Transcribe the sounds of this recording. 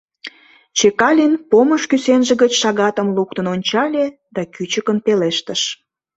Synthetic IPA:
t͡ɕekɑlʲinpoməʃkysenʒeɣət͡ɕʃɑɣɑt̪əmlukt̪ənonʲt͡ɕɑlʲe | d̪ɑkyt͡ɕəkənpeleʃt̪əʃ

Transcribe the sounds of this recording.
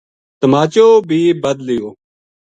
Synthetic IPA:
t̪əmaːt͡ʃoːbʱiːbəd̪lɪjoː

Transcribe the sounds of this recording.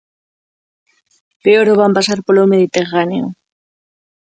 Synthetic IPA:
peoɾoβampasaɾpolomeð̞it̪eraneo

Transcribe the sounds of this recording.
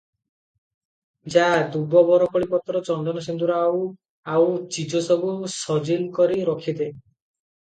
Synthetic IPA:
d͡ʒad̪ubɔbɔɾɔkɔɭipɔt̪ɾɔt͡ʃɔnd̪ɔnɔsind̪uɾɔaw | awt͡ʃid͡ʒɔsɔbusɔd͡ʒilkɔɾiɾɔkʰid̪e

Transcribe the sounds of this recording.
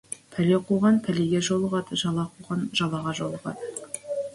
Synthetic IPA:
pʰælʲeqʰuʁɑnpʰæleɡʲeʒolˠəʁɑd̪əʒɑlˠɑqʰuʁɑnʒ̥ɑlˠɑʁɑʒolˠəʁɑ̰d̪ə

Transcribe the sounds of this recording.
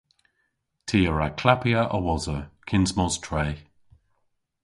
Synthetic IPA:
tʰiːəɹakʰlapiəʔəwɔzəkʰɪnzmɔztʰɹɛː

